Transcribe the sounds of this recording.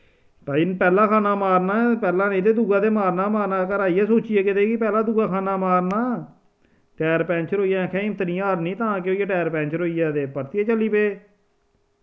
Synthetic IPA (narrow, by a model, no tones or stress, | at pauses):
t̪ãːɪnpɛːlaːkʰaːnaːmaːɾnaːpɛːlãːnẽːd̪eːd̪uːɡaːd̪eːmaːɾnaːmaːɾnaːkəɾaːiːɛːsoːt͡ʃijeːkɪt̪eːkɪpɛːlãːd̪uːɡaːkʰaːnaːmaːɾnaː | ʈɛːɾpɛ̃ːnt͡ʃəɾɦoːijaːkʰɛ̃ːɪmt̪ənɪjaːɾnĩːt̪ãːkɪoːiaːʈɛːɾpɛ̃ːnt͡ʃəɾɦoːijaːd̪eːpəɾt̪ieːt͡ʃəliːpeː